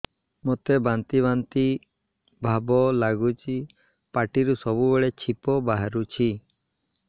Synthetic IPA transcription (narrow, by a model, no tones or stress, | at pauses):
mot̪ebant̪iβant̪i | bʱabɔlaɡut͡ʃʰi | paʈiɾusɔbubeɭet͡ʃʰipɔbaɦaɾut͡ʃʰi